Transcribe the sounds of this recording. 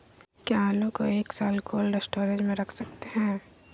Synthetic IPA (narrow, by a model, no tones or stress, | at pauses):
kiaːloːkoeːksaːlkʰoːlɾesʈoːɾẽd͡ʒmẽɾɐkʰsɐk̚t̪eɦɛ̃ː